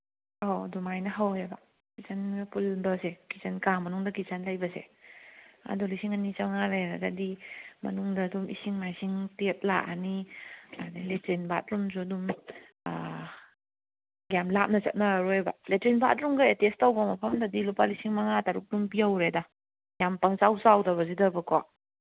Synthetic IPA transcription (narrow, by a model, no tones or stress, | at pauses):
awdumajnɐɦaweba | kit͡ʃanpuldɔsekit͡ʃankaŋmɐnuŋdɐkit͡ʃanlajbɐsḛ | a̰dulisiŋanit͡ʃaŋaɾeɾaɡadimɐ̰nuŋdɐːdumḭsiŋmajsiŋtet̚laʔanianletɾenba̰t̚ɾumzudum̰ | ɡjamlap̚nɐt͡ʃɐ̰t̚naɾɔeba̰letɾenba̰t̚ɾumɡajetestawbɐmɐpʰɐmdadilupalisiŋmaŋataɾuk̚dumpiawɾeda | ɡjampaŋt͡ʃawsawdɐβɐzidɐbɐkɔ